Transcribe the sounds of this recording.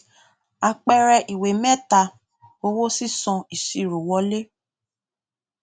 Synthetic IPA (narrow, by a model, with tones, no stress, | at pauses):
a˧k͡pɛ˧ɾɛ˧ʔi˨we˨mɛ̃˦ta˧ | o˧wo˦si˦sɔ̃˧i˨si˨ɾu˨wɔ˧˦le˦